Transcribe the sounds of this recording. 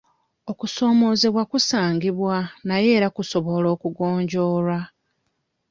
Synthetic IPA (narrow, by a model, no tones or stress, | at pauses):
o̞kuso̞ːmo̞ːze̞βwakusaːŋɡiβwanaje̞ːɾakuso̞βo̞lo̞ːkuɡoːɲɟo̞ːla